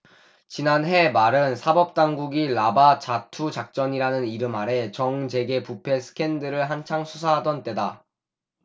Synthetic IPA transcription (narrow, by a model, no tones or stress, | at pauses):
t͡ɕinanɦe̞maɾɯnsʰabʌp̚t͈aŋɡuɡilabat͡ɕatʰut͡ɕak̚t͡ɕ͈ʌɲiɾanɯniɾɯmɦaɾe̞t͡ɕʌŋt͡ɕe̞ɡe̞pupʰe̞sʰɯ̥kʰe̞ndɯɾɯɭɦant͡ɕʰaŋsʰusʰaɦadʌnt͈e̞da